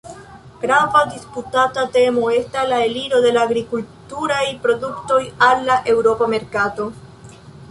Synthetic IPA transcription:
ɡ̥ɾavadisputatate̞mo̞e̞staslae̞liɾo̞de̞laːɡɾikultuɾajpɾo̞dukto̞jalːaʔe̞wɾo̞pame̞ɾkato̞

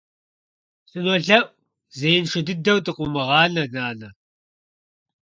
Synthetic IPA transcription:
sɨnɔɮɐʔʷ | zeːjnʂɪdɨdɐwtʼɨqʷʼʊmɨʁɑːnɐnaːnɐ

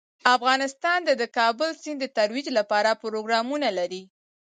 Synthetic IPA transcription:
afɣɑnɪst̪ɑnd̪əd̪əkɑbəlsind̪ət̪aɾwid͡ʒlapɑɾapʊɾoɡɾɑmunalaɾi

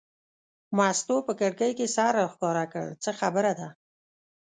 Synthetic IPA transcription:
mɑst̪opəkəɽkəjkesɑɾaxkɑɾakə̰ɭt͡səxabəɾad̪a

